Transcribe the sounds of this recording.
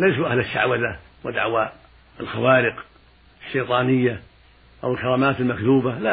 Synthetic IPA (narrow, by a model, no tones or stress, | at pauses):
leːʃuʔahlaʃːa̰ʕwaða | wɪd̪a̰ʕwa | ɪlxawaːɾɪq | ɪʃːejt̪ˤɑːnɪjːa | ʔawɪlkɑɾˤɑːmaːt̪ɪlmakt̪uːbala